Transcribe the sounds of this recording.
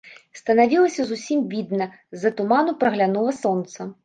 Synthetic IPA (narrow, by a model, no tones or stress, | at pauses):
st̪ɐnavʲilˠɐsʲɐzusʲimbʲid̪nɐ | zːɐt̪ʊmanʊpɾɐɣlʲanuvˠɐsɔnt̪sɐ